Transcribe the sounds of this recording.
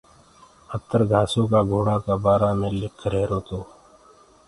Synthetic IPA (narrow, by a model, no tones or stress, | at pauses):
ət̪ːəɾɡʱaːsõkaɡʱoːɽakabaːɾamẽlɪkʰːɾɛːɾoːt̪oː